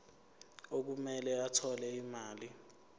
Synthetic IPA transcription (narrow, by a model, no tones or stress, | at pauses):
ok̬umɛlɛatʰɔlɛimaːli